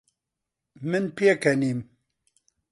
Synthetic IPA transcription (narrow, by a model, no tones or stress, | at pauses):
mɨnpijekɛniːm